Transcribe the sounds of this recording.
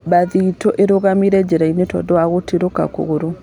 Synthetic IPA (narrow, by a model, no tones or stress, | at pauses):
baðitɔʔeɾoɣamiɾɛd͡ʒeɾainetɔ̰dɔwaɣotiɾoka̰ko̰ɣoɾo